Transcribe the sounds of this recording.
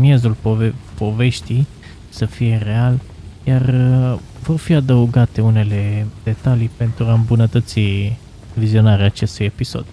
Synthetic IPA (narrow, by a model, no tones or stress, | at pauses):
mije̞zulpovpo̞ve̞ʃt̪ij | səfije̞re̞al | jar | vo̞rfiad̪əuɡat̪e̞une̞le̞d̪̥e̞t̪alijpe̞nt̪ɾuaɨmbunət̪ət̪si | vizio̞naɾeaːt͡ʃe̞st̪uje̞piso̞̰d̪̥